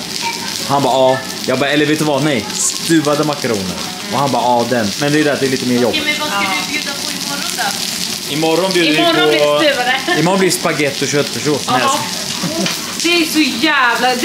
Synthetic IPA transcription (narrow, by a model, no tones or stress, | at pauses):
hanbɑːɑː | jɑːɡbɑːɛlːəɾveːt̪ʉːvanɛjst̪ʉ̟ːvad̪əmakaɾṵːnə̰ɾ | ɔhanbɑːɑːd̪ɛnmɛnd̪ɛɛɾd̪ɛːat̪d̪ɛɾliːt̪əmeːɾjɔbɪmɛvaad̪ɪbjʉ̟ːd̪apʰɔɪmɔɾːɔnd̪ɔ | ɪmɔɾːɔnbjʉːd̪əɪɔɾɔʉvad̪ɛɪmɔɾɔnblispaɡɛt̪ːɔɕœt̪ːfɛʂoːsmɛ | d̪̥ɛːsɔjæːvla